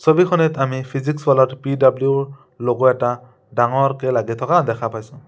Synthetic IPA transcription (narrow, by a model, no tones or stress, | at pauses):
sobixɔnɛtamipʰizikswɔlɔtpidabljuɹ | loɡɔɛta | daŋɔɹkɛlaɡit̪ʰɔkadɛkʰapajsʊ̃